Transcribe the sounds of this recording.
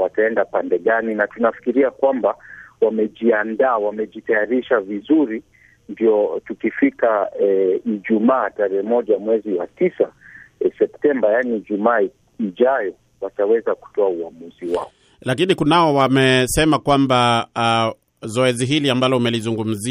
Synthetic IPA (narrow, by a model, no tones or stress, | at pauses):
wataɛndapandɛɠaninatunafi̥kiɾiakwambawamɛʄiandaːwamɛʄitajaɾiʃavizuɾi | ndiɔtukifikaɛiʄumaːtaɾɛɛmɔʄamwɛziwatisasɛptɛmbajaniʄumaː | iʄajɔ | watawɛzaku̥tɔauamuziwa̰ɔ | lakinikunaɔwamɛsɛmakwamba | zɔɛziɦiliambalɔumɛlizuŋɡum̩zi